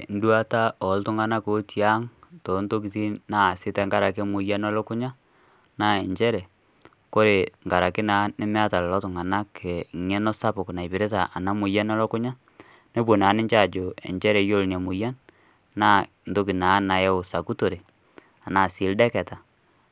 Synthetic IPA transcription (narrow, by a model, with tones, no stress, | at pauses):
n̩˦dwa˦ta˦ɔ˨ltʊ˦ŋa˨na˦ko˦tja˦ŋto˨nto˦k̬i˨ti˦na˦˨sɪ˦tɛ˨ŋɡa˦ɾa˨kɪ˦mʊ˨ja˦nɔ˦lɔ˦kʊ˦ɲa˦ | na˦e˨ɲt͡ʃɛ˦ɾɛ˨ | ko˦ɾe˨ŋɡa˨ɾa˨kɪ˦na˨˦nɪ˦mɛ˦a˦ta˨llɔ˦tʊ˨ŋa˨na˦kʰɛ˨ŋɛ˦nɔ˦sa˦pʊ˨kna˨i˨pɪ˨ɾɪ˦ta˨ʔa˨na˦mʊ˨ja˦nɔ˦lɔ˦kʊ˦ɲa˦ | ne˦po˨naː˨˦nɪ˦ɲt͡ʃa˦˨d͡ʒo˨ḛ˨ɲt͡ʃɛ˦ɾɛ˨jo˦˨lnja˨mʊ˨ja˦n | na˦ | n̩˨to˦k̬i˨na˨˦na˨jɛ˦ʊ˨sa˨ku˦to˨ɾe˨ | a˨na˨sɪ˨˦ldɛ˦kɛ˨ta˨